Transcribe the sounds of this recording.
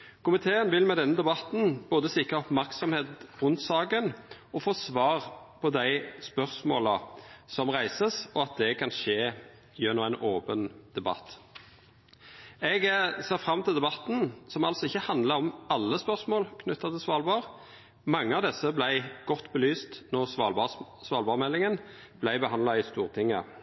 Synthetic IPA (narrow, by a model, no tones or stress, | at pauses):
kʊmɪt̪ʰeːənʋɪlmɛd̪ɛnːəd̪ɛbɑt̪n̩b̥oːd̪əsɪkʁəɔpmæʁksɔmheːt̪ʁʊnt̪sɑːɡənɔfoːsʋɑːʁ | pʰɔd̪æɪspœʁsmo̰ːləsɔmʁæɪsəsɔɑt̪̚d̪ɛkʰɑnʃeː | jɛnːɔæɪnʔoːpənd̪̥ɛbɑ̰t̪ː | ɛɡseːʁfʁɑmːt̪ɪld̪ɛbɑt̪n̩sɔmɑlsɔɪçːəhɑnd̪ləʁɔmɑlːəspœʁsmoːlkʰnʉt̪ːɑt̪ʰɪsʋɑːlbɑːʁ | mɑŋːəɑʋd̪ɛsːəblæɪɡ̥ɔt̪ːbəlyːst̪nɔʁsʋɑːbɑ | sʋɑːlbɑːʁmɛlːɪŋən | b̥læɪbəhɑnd̪lɑɪst̪uːʁt̪ʰɪŋːə̰